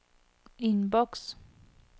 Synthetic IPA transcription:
inbɔks

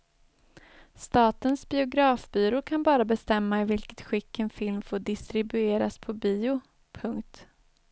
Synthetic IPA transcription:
st̪ɑːt̪ənsbɪʊɡɾɑːfbiːɾʊkʰanbɑːɾabɛst̪ɛmːaɪvɪlkə̥t̪ɧɪkːənfɪlmfoːɖɪst̪ɾɪbɵeːɾa̰spʰɔbiːʊ | pʰɵŋkt̪

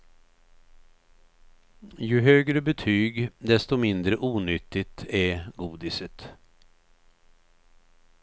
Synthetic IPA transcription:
jɵɦøːɡɾəbɛt̪ʰyːɡd̪ɛst̪ɔmɪnd̪ɾəʔuːnʏt̪ːɪt̪æɡuːd̪ɪsət̪

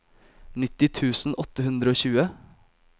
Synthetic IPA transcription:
nɪt̪ɪt̪ʰʉːsn̩ʔɔt̪əɦʉnd̪ɾəoːçʉːə

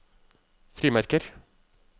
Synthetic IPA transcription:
fɾiːmæɾkəɾ

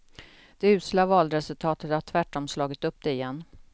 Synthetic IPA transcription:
d̪̥ɛʉ̟ːslavɑːlɾɛsɵlt̪ʰɑːt̪ət̪haʈʰvæʈːɔmslɑːɡɪt̪ɵp̚ːd̪ɛɪjɛnː

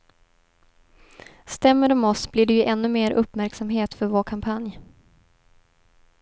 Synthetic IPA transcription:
st̪ɛmːəd̪ɔmɔsbliɖɛjɵʔɛnːɵmeːɾʔɵpːmæɾksamɦeːt̪fœɾvoːɾkʰampʰanj

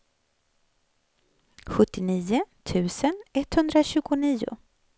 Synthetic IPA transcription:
ɧɵt̪ːɪniːʊt̪ʰʉ̟ːsənɛt̪ːhɵnd̪ɾaɕʉ̟ːɡʊniːʊ̰

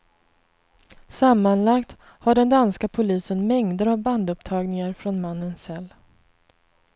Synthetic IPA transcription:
samːanlakt̪ | haɖɛnd̪anskapʰʊliːsənmɛŋd̪əɾavband̪ɵpt̪ʰɑːɡnɪŋaɾfɾɔnmanːənsɛlː

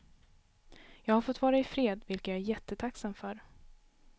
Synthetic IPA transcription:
jɑːɡhaɾfɔt̪ːvɑːɾaɪfɾeːd̪vɪlkət̪jɑæɾjɛt̪ʰːət̪ʰaksamfœɾ

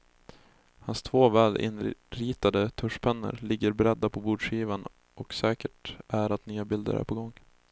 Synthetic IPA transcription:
hanst̪ʰvoːvɛːlʔɪ̰nɾiːt̪ad̪ət̪ʰɵʂpʰɛnːə̰ɾlɪɡːəɾbɛɾɛd̪ːapʰɔbuːɖʂiːvan | ʔɔksɛːkəʈʔæɾat̪nyːabɪld̪ə̰ɾæ̰ɾpʰɔɡɔŋː

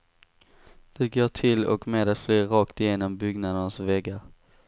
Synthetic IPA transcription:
d̪̥ɛɡoːʈʰɪlɔ̰kmeːd̪at̪flyːɾɑːkt̪ɪjeːnɔmbʏɡnad̪ənasvɛɡːaɾ

